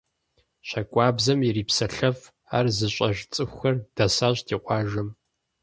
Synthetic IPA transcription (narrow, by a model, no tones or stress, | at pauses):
ɕɐkʷʼɑːbzɐmiriːpsɐɬɐf | aːrzɨɕʷʼɐʒt͡sʼɨxʷxɐrd̥ɐsaːɕtʰiːqʷɑːʒɐm